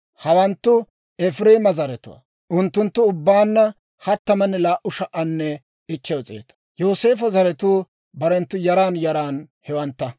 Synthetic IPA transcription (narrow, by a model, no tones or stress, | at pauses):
hɐwɐnt̪ːʊ | ɛfɪɾeːmɐzɐɾɛt̪ʊ̰wɐ̰ | ʔʊnt̪ːʊnt̪ːʊʊbːaːnːɐ | hɐt̪ːɐmɐnːɛlaːʔʊʃɐʔɐnːɛ | ɪt͡ʃːɛwt͡sʼḛːt̪ʊ̥ | joːse̞ːfɔzɐɾɛt̪uː | bɐɾɛnt̪ːʊjɐɾaːnjɐɾaːnhɛwɐnt̪ːɐ